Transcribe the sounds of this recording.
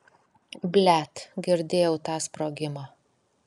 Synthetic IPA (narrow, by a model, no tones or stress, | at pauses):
bʲlʲæt̪ɡʲɪɾʲd̪ʲeːjɛʊt̪ɑːspɾoːɡʲɪmɑː